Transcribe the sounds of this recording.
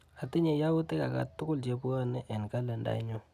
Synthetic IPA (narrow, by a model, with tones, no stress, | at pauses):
a˨ti˦ɲe˨ja˦u˦te˦ka˨ka̰˨tːʊ˦kʊ˦lt͡ʃe˨˦pu˦a˦nɛ˦ʔɛ˨nka˦lɛ˨nda̰˨˦ɲo˦